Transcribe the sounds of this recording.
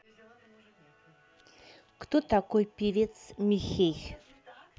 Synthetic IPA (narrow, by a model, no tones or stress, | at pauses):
kt̪ʊt̪akʊjpiɾit͡smixix